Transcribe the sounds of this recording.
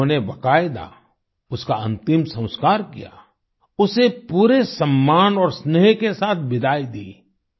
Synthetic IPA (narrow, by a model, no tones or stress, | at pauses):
õnebakaːɪd̪a̰ | ʊskaɐ̃nt̪ɪmsɐ̃w̃skaːɾkḭja̰ | ʊsepuːɾesɐmːaːnɔːɾsnɛɦkesaːt̪̚ʰbɪd̪ʱaːid̪iː